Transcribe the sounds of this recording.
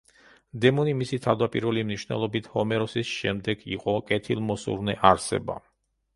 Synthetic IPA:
d̪ɛmɔnimisit̪ʰavd̪apʼiɾvɛlimniʃwnɛ̰lˠɔbit̪ʰhɔmɛɾɔsisʃɛmd̪ɛɡiqʼɔkʼɛt̪ʰilˠmɔsṵɾnɛʔaɾsɛ̰ba̰

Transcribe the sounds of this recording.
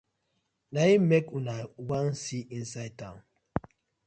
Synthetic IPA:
naimekũnawãnsiĩnsaɪtãʊ̃n

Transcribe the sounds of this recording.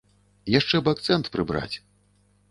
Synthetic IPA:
jaʂt͡ʂɛbɨak̚t̪sɛnt̪pɾɨbɾa̰t͡sʲ

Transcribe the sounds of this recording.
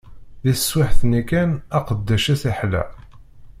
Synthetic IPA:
ðiswaħθnikænæqəd̪ːæʃæθiħlæ̰

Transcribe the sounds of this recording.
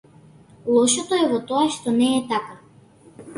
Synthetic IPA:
lˠɔʃɔt̪oɛvɔt̪ɔaʃt̪ɔnɛːt̪aka

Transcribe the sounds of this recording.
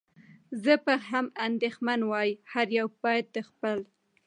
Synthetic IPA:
zəpəɦamand̪exmanwɑjhaɾjawpɑjd̪̚əxpəl

